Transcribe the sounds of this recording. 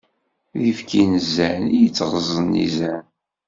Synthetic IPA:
ðifkʰinəzːænijət͡sːʁəzˤənːḭzæn

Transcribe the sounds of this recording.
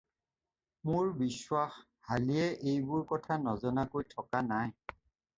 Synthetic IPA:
mʊɹbiswax | halijɛʔejbʊɹkɔtʰanɔzɔnakojtʰɔkanaj

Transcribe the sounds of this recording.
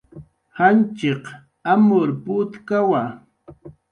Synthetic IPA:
hant͡ʃeq | amʊɾpʊt̪kawa

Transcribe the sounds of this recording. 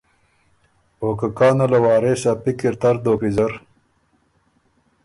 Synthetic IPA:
oːkɐkaːnɐlɐwaːɾeːɕapikiɾt̪ɐɾd̪oːpizɐɾ

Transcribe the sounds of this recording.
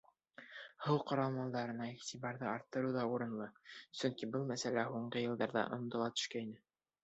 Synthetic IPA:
hɤw̪ˠqɑɾɑlˠmɑlˠd̪ɑɾɤ̆nɑiʁt̪ʲibɑɾðɤɑɾt̪ːɤ̆ɾɤwðɑuɾɤ̆nlˠɤsɵŋkibɤlˠmæsælæɦuɴɢɤjɤ̆lˠd̪ɑɾðɑ̰ʔŏ̰nd̪ɤ̆lˠɑt̪ɵ̥̆ʃkæinɘ

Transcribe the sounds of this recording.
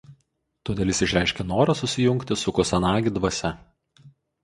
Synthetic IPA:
t̪oːd̪ʲeːlʲˠɪsʲɪʃʲɾʲæˑɪʃʲkʲɛnoːɾɐsʊsʲɪjʊŋʲkt̪ʲɪsʊkɔsʲɛnɑːɡʲɪd̪ʋɐsʲɛ

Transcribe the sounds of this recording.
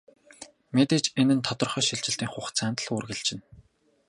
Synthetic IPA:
met̪eːt͡ɕenɘ̆nt̪ʰɔt̪ɞ̆rχœːʃiɮt͡ɕɪ̆ɬt̪iːŋχʊχt͡sʰæːnt̪ə̆ɮʊːrɣɘ̆ɮt͡ɕɪ̆n

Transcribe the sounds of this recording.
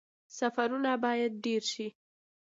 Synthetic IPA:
safaɾunabɑjad̪̚ɖeɾʃi

